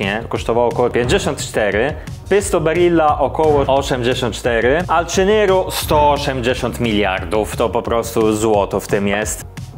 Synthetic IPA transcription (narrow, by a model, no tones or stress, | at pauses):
ɲɛkɔʂt̪ɔvawɔkɔwɔpʲjẽɲd͡ʑɛɕɔnt̪t͡ʂt̪ɛɾɘ | pɘst̪ɔbɛɾilːaʔɔkɔwɔɔɕɛmd͡ʑeɕɔ̃nt̪t͡ʂt̪ɛɾɘaltt͡ʂɛnɛɾust̪ɔɔɕɛmd͡ʑeɕɔnt̪mʲilʲja̰ɾd̪uft̪ɔpɔpɾɔst̪uzwɔt̪ɔft̪ɪmjɛst̪